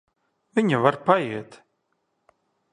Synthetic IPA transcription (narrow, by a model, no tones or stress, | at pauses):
viɲəvaɾpajiːt̪